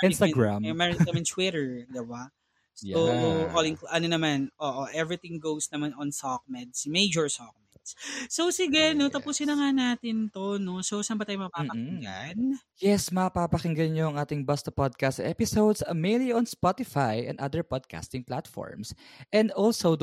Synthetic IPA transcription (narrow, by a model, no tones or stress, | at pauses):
ʔɪ̃nst̪ɐɡɹammɛɹɪt̪ɐmɛnt̪wɪɾɛɹd̪ɪba | sjoolɪŋkʔɐnonɐmanʔoʔoʔɛvɹɪt̪ɪ̃ŋɡowsnɐmanɔ̃nsɔk̚mɛd̪smejd͡ʒɔɹsɔk̚mɛd̪ssowsɪɡɛnot̪ɐpusɪnɐŋanaːt̪ɪnt̪onososambɐt̪aːjmɐɐpaːmpɐkɪŋɡa̰n | jɛsmɐɐpapɐkɪŋɡɐnɲoɐŋʔaːt̪ɪŋbɐst̪ɐpod̪̚kast̪ɛpɪsowd̪sɐmejliɔ̃nspɔt̪ɪfajʔɛ̰̃nd̪ʔa̰d̪ɛɹpod̪̚ka̰st̪ɪ̃ŋplat̪fɔ̰ɹms | ʔɛ̃nd̪ʔɔlsowd̪